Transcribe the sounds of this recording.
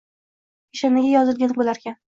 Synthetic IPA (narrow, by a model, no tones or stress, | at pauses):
eʃamaɡʲajɒzɪlˠɡʲanɪbolaɾkʲan